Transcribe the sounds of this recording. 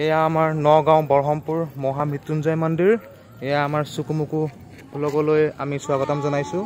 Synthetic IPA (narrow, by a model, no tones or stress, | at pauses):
ɛjaːmaɹnɔɡãw̃bɔɹɦɔmpuɹmɔɦam̤ʱɹitːunzajmɔndiɹ | ɛjaːmaɹsukumuku | lɔɡɔloja̰misuaɡɔtamzɔnajsʊ̃